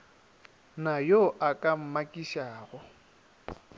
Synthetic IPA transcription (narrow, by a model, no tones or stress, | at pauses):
najoʔakʼam̩makʼiʃaːɣʊ